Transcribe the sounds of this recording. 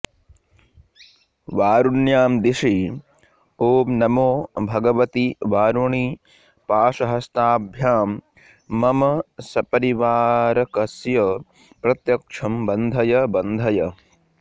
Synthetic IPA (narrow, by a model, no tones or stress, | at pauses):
ʋaːɾuɳjaːmd̪iʂi | oːbnɐmoːbʱɐɡɐʋɐt̪iʋaːɾuɳi | paːʂɐɦɐst̪aːbʱjaːmː | ɐmɐsɐpɐɾiʋaːɾɐkɐsjɐ | pɾɐt̪jɐkʂʰɐmbɐnd̪ʱɐjɐbɐnd̪ʱɐjɐ